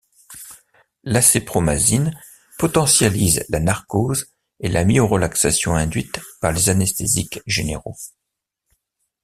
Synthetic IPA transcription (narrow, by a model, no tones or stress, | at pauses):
lasepχomazin | pɔt̪ɑ̃sjalizlanaʁkoz | elamioʁəlaksasjɔ̃ɛ̃d̪ɥit̪paʁlezanɛst̪ezikʒenḛʁo̰